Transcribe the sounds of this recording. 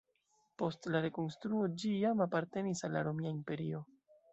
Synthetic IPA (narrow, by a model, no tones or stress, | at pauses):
po̞stlaɾe̞ko̞nstɾuo̞d͡ʒijamapaɾte̞nisalːa̰ɾo̞miaimpe̞ɾio̞